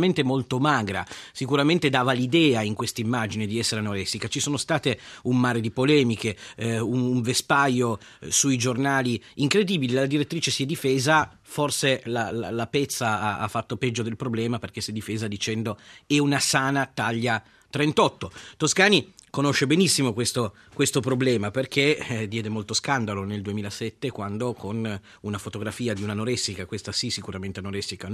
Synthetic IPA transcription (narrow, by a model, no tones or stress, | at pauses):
ment̪emolt̪omaːɡɾa̰sikuɾament̪ed̪aːvalid̪ɛːaiŋkwest̪aimːad͡ʒined̪iɛsːeɾenoɾɛsikat͡ʃisoːnost̪aːt̪eunmaːɾed̪ipolɛːmikeunuɱvespajːo | suid͡ʒornaːliiŋkɾed̪iːbililad̪iɾet̪ːɾiːt͡ʃesiɛd̪ifɛːza | forselala̰lapɛt̪sːaaa̰fːat̪ːopɛd͡ʒːod̪elpɾoblɛːmaperk̟esɛd̪ifeːzad̪it͡ʃɛnd̪oɛunasaːnat̪aʎːa | t̪ɾent̪ɔt̪ːot̪oskaːnikonoʃːebenisːimokwest̪o | kwest̪opɾoblɛːmaperk̟ed̪jɛːd̪emolt̪oskand̪aloneld̪uemiːlasɛt̪ːekwand̪okʰon | unafot̪oɡɾafiːad̪iunanoɾɛsːikakwest̪asisikuɾament̪enoɾɛsːika